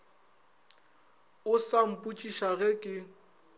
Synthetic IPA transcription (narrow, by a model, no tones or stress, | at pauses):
ʊsam̩pʼut͡ʃʼiʃaɣɛkʼɪ